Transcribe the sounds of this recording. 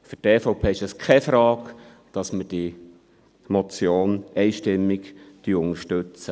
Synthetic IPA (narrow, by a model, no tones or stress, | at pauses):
føɾtɛfɔʊpʰeːɪʃɛskʰɛfɾɑːk | d̥ɑsməd̥i | mɔt͡sjoːnɛɪʃtɪmːɪkd̥yʊŋəɾʃtʉt͡sə